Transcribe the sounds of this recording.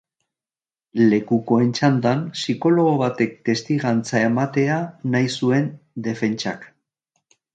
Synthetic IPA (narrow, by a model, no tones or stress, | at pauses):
le̞kuko̞e̞nt͡ʃand̪ansiko̞lo̞ɣ̞o̞βat̪e̞k̚t̪e̞st̪iɣant͡sae̞mat̪e̞anajsue̞nd̪e̞fe̞nt͡ʃa̰k